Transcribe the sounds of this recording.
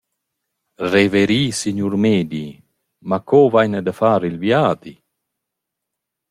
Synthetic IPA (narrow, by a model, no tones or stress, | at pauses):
reveɾiːsiɲuɾmeːd̪i | makɔvajnəd̪əfaːɾilvjaːd̪i